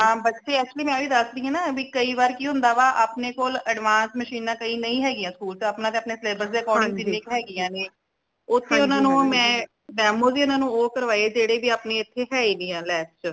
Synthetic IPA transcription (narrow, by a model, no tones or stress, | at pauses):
ɦãːbətːʃeːɛːk̚t͡ʃʊəliːmɛ̃ːʋiːd̪əsd̪iãːnaːbiːkəiːʋaːɾkiːɦʊ̃nd̪aːʋaːʔaːpneːkoːləɖʋãːnsməʃiːnãːkəĩːnəĩːɦɛːɡɪjãːskuːltaːpnãːt̪eːəpneːsleːbəɾsd̪eːəkɔːɾɖɪ̃ŋd̪ilɪkɦɛːɡɪjãːneː | ʊt̪ʰːeːʊnãːnũːmɛ̃ː | ɖɛːmoːziːʊnãːnũːoːkəɾʋaːed͡ʒeːɽeːbiːaːpneːɪt̪ʰːeːɦɛːiːnĩːãːlɛːst͡ʃ